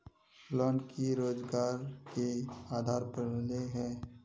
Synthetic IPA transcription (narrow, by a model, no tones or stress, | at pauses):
lɔːɳkʰiɾoːd͡ʒɡaːɾkeaːd̪ʱaːɾpəɾleɦɛ̃ː